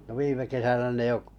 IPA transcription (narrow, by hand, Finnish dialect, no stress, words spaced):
no ʋiːme kesænæ ne jo